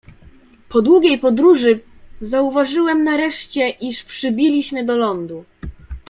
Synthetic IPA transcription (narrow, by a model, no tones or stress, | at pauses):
pɔd̪wuɡʲejpɔd̪ɾuʐɘzauvaʐɘwɛmnaɾɛʂt͡ɕɛʔiʂpʂɘbʲilʲiɕmɘd̪ɔlɔnd̪u